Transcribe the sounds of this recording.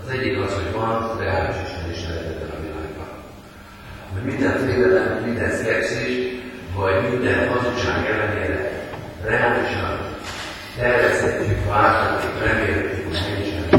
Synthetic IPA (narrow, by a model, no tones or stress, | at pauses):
zɛɟːikɒsho̞ɟʋɒnrɛaːliʃiʃnɛd̪eːʃnɛɾɛzɛd̪ɛnɒvilɒ̰bɒ̰n | ɒɦoɟmind̪ɛnt̪ʋeːd̪ɛlɛmhoɟmind̪ɛnskɛbsiʃ | vɒɟmind̪ɛnɦɒzokʃaːɡɛlːɛneːɾɛ̰ | rɛaːliʃɒn | t̪ɛrvɛst̪ɛcːykvaːt̪ɔt̪ːikrɛmeːlɛt̪ːikuʃmɛniʃɛ